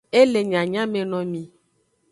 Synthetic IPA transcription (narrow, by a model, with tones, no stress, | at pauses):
e˦le˨ɲã˨ɲã˦mẽ˨nɔ̃˨mĩ˨